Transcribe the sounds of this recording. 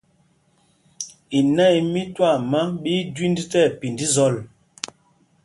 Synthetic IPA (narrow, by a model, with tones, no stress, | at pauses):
i˨na˦i˨mi˦twa˦˨ma˦ɓi˦dwi˦ndi˦tɛ˦˨pi˨ndi˦zɔ˦˨l